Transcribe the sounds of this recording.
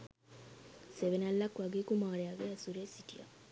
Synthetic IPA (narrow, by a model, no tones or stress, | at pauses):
seʋenalːakwaɡekumaɾɛaɡeasuɾesitia̰